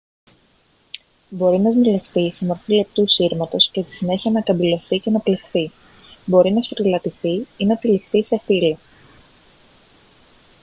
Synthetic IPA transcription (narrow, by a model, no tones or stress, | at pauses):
bo̞ɾinɐzmilefθisemo̞ɾfilep̚t̪usiɾmɐt̪o̞sce̞st̪i̥sine̞çiɐnɐkɐbilo̞θice̞nɐple̞fθi | bo̞ɾinɐsfɾilɐt̪iθiinɐt̪ilifθise̞filo